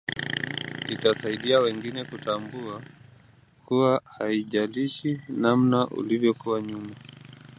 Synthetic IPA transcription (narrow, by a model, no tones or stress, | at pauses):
itasaiɗiawɛŋɡinɛkutambua | kuwahaiʄaliʃinamnaʔṵlivjɔkuwaɲuma